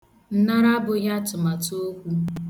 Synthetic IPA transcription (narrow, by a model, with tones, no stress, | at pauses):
n̩˨na˦ɾa˦bʊ˨ja˦tʊ˨ma˨to˦kʷu˦